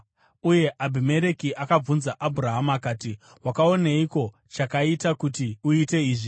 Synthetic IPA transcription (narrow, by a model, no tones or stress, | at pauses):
uje̞ʔabʱime̞ɾe̞kiʔakab͡vunzaʔabʱuɾaɦamakaːti | wakao̞neiko̞ | t͡ʃakaitakutiuite̞iːʐi